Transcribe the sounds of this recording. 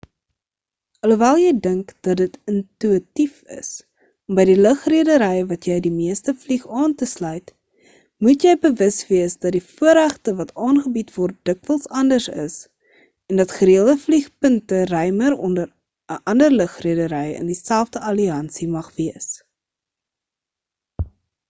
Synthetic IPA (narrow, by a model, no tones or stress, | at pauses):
ɐluvælˠjəjdəŋkd̥ɐt̚dətəntyitifə̰s | ɔmbəjdiləχriədəɾɛjvɐtjɛjdimiəstəfliχɑːntəslœɥt | mutjɛjbəvəsviəsdɐt̚difuəɾæχtəvɐtʰɑːnχəbitvɔrt̚d̥əkvəlˠsɐndərsə̰s | ɛndɐtχəɾiəlˠdəfliχpəntərœjməɾɔndəɾ | əʔɐndərləχriədəɾɛjə̰ndisælˠfdəɐliɐnsimɐχviəs